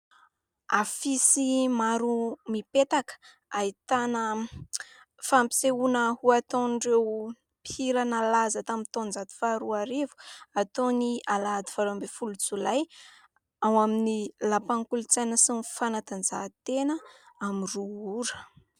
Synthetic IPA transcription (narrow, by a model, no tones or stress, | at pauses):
afisimaɾumipet̪akə̥ | ait̪anə | fampi̥seunəhuat̪onɳɖ͡ʐew | piɾanalazat̪amit̪onzat̪i̥faɾuaɾevu̥at̪onialaad̪i̥faɾoambefulut͡sulaj | awaminilapaŋkulut͡sajnəsinfanat̪and͡zat̪enəamiruuɾə̥